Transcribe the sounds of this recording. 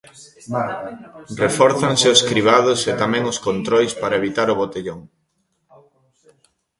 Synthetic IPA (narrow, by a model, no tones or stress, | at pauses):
refɔɾθaŋsɪoskɾiβ̞að̞ʊset̪amɛ̃ŋʊskont̪ɾojspaɾɐeβit̪aɾʊβot̪eʎoŋ